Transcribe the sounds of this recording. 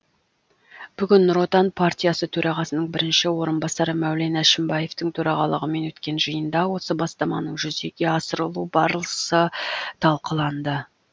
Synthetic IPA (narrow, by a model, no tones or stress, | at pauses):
b̥ʏɡʲɪnːɾo̞t̪anpʰart̪ʲijasət̪ʰɵɾʔɑʁɑsənəɴbɪɾɪnʃɪwo̞ɾənbɑsɑɾəmæwle̞næʃɪmbɑje̞ft̪ɪŋt̪ʰɵɾɑʁɑlˠəʁəme̞nwɵt̪kʲe̞nʒəjənd̪ɑwo̞səbɑst̪ɑmɑnəɴʒʏzd̪e̞kʲe̞ɑsəɾəlˠubɑɾəlˠəsət̪ʰɑlˠqəlˠɑnd̪ə